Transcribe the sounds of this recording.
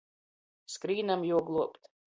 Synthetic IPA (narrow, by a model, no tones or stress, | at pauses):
skɾiːnamjuɔɡlˠuɔpt̪